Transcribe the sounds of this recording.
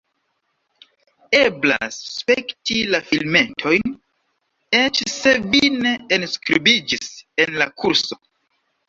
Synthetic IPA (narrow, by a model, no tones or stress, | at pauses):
e̞bla̰sːpektilafilme̞ntʰo̞jn | e̞t͡ʃse̞vine̞enskɾibid͡ʒise̞nlakʰuɾso̞